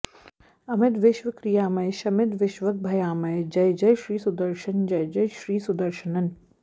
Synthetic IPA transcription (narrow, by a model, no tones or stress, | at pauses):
ɐmɪt̪ʋɪʃʋɐkɾijaːmɐjʃɐmɪd̪ʋɪʃʋɐk̚bʱɐjaːmɐjd͡ʒɐjd͡ʒɐjʃɾiːsʊd̪ɐɾʃɐnd͡ʒɐjd͡ʒɐjʃɾiːsud̪ɐɾʃɐnɐn